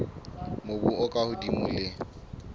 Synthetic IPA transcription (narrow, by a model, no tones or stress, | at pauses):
mobṵɔkʼahʊdimṵlɪ